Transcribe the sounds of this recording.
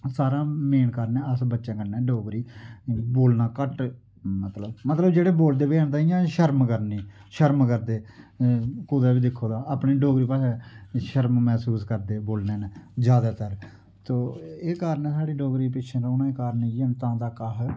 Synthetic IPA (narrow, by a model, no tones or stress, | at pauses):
saːɾãːmeːnkəɾnɛːəsbətːʃãːkənːɛːɖoːɡɾiːboːlnãːkəʈ | mət̪ləbmət̪ləbd͡ʒeːɽeːboːld̪eːbeːənt̪aːijãːʃəɾmkəɾnĩː | ʃəɾmkəɾd̪eː | kuːd̪aːbiːd̪ɪkʰːoːd̪aːaːpɳiːɖoːɡɾiːpaːsɛʃəɾmmɛːsuːskəɾd̪eːboːlneːnd͡ʒjaːd̪aːt̪əɾ | t̪oːeːkaːɾnẽːsaːɽiːɖoːɡɾiːpɪt͡ʃʰə̃ːɾoːnãːeːkaːɾnejənt̪ãːt̪aːkaɦ